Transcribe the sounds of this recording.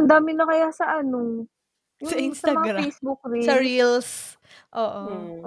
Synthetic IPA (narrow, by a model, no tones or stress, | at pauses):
ɐnd̪aːmɪnɐkɐjasɐʔɐno | jʊsɐsɐɐmɐŋaɾfejsbʊk̚ɾiɐɾils | ʔoːʔo